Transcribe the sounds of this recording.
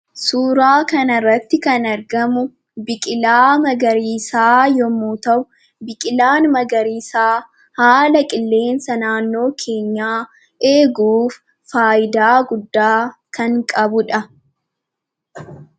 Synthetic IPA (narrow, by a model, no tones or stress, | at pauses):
suːɾaːkɐnɐrːɐt̪ːɪkɐnɐɾɡɐmʊ | bɪkʼɪlaːmɐɡɐɾiːsaːjɔmːoːt̪ɐʔʊ | bɪkʼɪlaːnmɐɡɐɾiːsaː | haːlɐkʼɪlːe̞ːnsɐnaːnːo̞ːkʰe̞ːɲːaː | ʔe̞ːɡuːfː | aːjɪd̪aːɡʊd̪ːaːkɐŋkʼɐbʊᶑɐ